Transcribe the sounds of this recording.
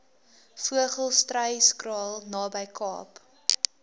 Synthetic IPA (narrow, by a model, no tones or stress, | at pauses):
fuəχəlˠstrəjskrɑːlˠnɑːbəjkʰɑ̰ːp